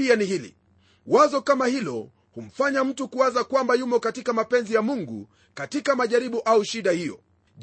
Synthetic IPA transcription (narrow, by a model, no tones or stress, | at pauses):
ianihilḭ | wazɔkamahilɔ | hum̩faɲam̩tukuazakwambajumɔkatikamapɛnzijamuŋɡṵ | katikamaʄaɾiɓuʔauʃiɗahijɔ̰ | ʄ